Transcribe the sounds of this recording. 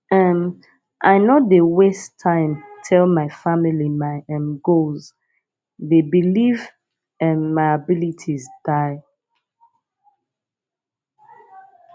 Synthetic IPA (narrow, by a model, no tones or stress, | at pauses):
ʔɛm | ʔaɪnodewestʰãɪ̃mtʰɛlmaɪfamilimaɪɛ̃mɡolz | ðebiliv | ɛ̃nmaɪabilitʰizd̥aɪ